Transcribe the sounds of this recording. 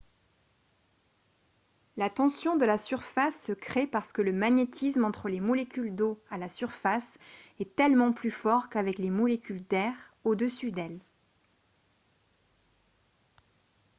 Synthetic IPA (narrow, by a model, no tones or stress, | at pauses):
lat̪ɑ̃sjɔ̃d̪əlasyʁfasːəkχepaʁsə̥kələmaɲet̪ʰismɑ̃t̪χəlemɔlekʲyld̪oalasyʁfasɛt̪ɛlmɑ̃plyfɔʁkavɛklemɔlekʲyld̪ɛʁ | od̪əsyd̪ɛl